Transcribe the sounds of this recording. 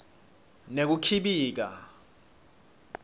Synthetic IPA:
nek̬ukʰiɓiːk̬a̰

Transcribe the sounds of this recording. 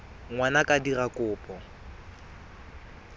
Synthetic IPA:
ŋwanakʼadirakʼʊːpʼɔ

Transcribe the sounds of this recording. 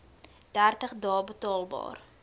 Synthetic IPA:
d̥ærtəχdɑːbətɑːlˠbɑ̰ːr

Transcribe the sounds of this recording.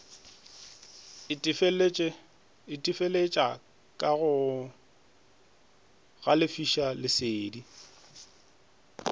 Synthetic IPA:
fʼ | ɪtʼifelet͡ʃʼa | kʼaɣʊ | ɣalɪfiʃalɪseːdi

